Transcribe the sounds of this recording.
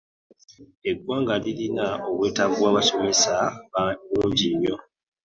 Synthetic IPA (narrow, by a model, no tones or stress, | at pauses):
e̞ɡwaːŋɡalilinaoβwe̞ːtaβwaːβaso̞me̞saβanuːɲɟimjo̞